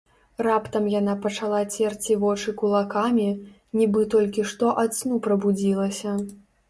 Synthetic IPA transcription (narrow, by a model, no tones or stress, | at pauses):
rapt̪ɐmjan̪apɐt͡ʂalˠat͡sʲɛrt͡sʲivɔt͡ʂɨkulˠakamʲi | nʲibɨt̪ɔlʲkʲiʂt̪ɔʔat̪snupɾɐbud͡zʲilˠɐsʲɐ